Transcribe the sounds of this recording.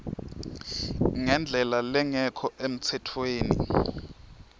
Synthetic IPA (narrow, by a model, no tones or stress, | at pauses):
ŋɛnd͡ɮʱɛlalɛŋɛkʰɔʔem̩t͡sʰɛtʰweːni